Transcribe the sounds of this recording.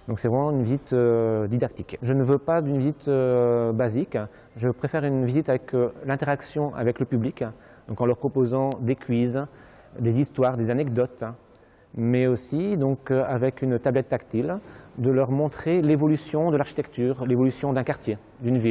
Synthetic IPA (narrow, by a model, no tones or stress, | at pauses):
d̪ɔ̃ksɛvʁɛmɑ̃ynvizit̪ød̪id̪ak̚t̪i̥kʒənəvøpad̪ynvizit̪øbazik | ʒəpχefɛʁynvizit̪avɛklɛ̃t̪eʁaksjɔ̃ʔa̰vɛkləpyblik | d̪ɔ̃kɑ̃lœʁpχɔpozɑ̃d̪ekʲʰɥiz | d̪ezist̪waʁd̪ezanɛkd̪ɔt̪ | mɛosid̪ɔ̃kavɛkynt̪ablɛt̪ːakt̪ild̪əlœʁmɔ̃t̪χelevɔlysjɔ̃d̪əlaʁʃit̪ɛkt̪yːʁlevɔlysjɔ̃d̪ɛ̃kaʁt̪je | d̪ynvil